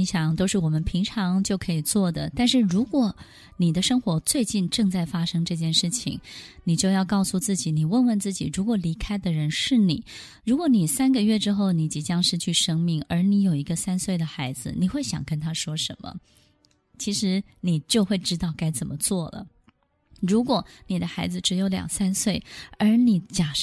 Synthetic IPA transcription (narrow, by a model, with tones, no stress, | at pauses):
i˧˥ŋɕjɑ˨˩ŋt̪o˥ʊʂɻ̩˥˩wɔ˨˩mə˦npʰi˧˥ŋʈ͡ʂʰɑ˧˥ŋt͡ɕjo˥˩ʊkʰɤ˧˥i˨˩t͡swɔ˥˩d̪ə̰˩t̪a˥˧nʂɻ̩˥˩ɻu˧˥kwɔ˨˩˦ | ni˨˩d̪ə˦ʂɤ˥ŋxwɔ˧˥t͡swe˥˧ɪt͡ɕi˥˧nʈ͡ʂɤ˥˧ŋt͡sa˥˩ɪfa˥ʂɤ˥ŋʈ͡ʂɤ˥˧t͡ɕjɛ˥˧nʂɻ̩˥˩t͡ɕʰḭ˩ŋni˨˩t͡ɕjo˥˧jɑ˥˧ʊkɑ˥˧ʊsu˥˧t͡sɹ̩˥˩t͡ɕi˨˩ni˨˩wə˥˧nwə˥˧nt͡sɹ̩˥˩t͡ɕi˨˩ɻu˧˥kwɔ˨˩li˧˥kʰa˥ɪd̪ə˨ɻə˧˥nʂɻ̩˥˩nḭ˨˩˦ | ɻu˧˥kwɔ˧˥ni˨˩sa˥nɡə˨ɥɛ˥˩ʈ͡ʂɻ̩˥xo˥˩ʊni˧˥t͡ɕi˨˩t͡ɕjɑ˥ŋʂɻ̩˥˧t͡ɕʰy˥˩ʂɤ˥ŋmi˧˩ŋə˞˧˥ni˧˥jo˨˩ʊi˧˥ɡə˧sa˥nswe˥˩ɪd̪ə˩xa˧˥ɪd͡zɹ̩˧ni˨˩xwe˥˩ɪɕjɑ̰˨˩ŋkə˥nt̪ʰa˥ʂwɔ˥ʂə˧˥nmə̰˧ | t͡ɕʰi˧˥ʂɻ̩˧˥ | ni˨˩t͡ɕjo˥˧ʊxwe˥˩ɪʈ͡ʂɻ̩˥t̪ɑ˥˩ʊka˥ɪt͡sə˨˩nmə˦t͡swɔ˥˩lə̰˩ | ɻu˧˥kwɔ˨˩˦ni˨˩d̪ə˦xa˧˥ɪd͡zɹ̩˧ʈ͡ʂɻ̩˧˥jo˧˥ʊljɑ̰˨˩ŋsa˥nswe˥˩ɪə˞˧˥ni˨˩t͡ɕja˨˩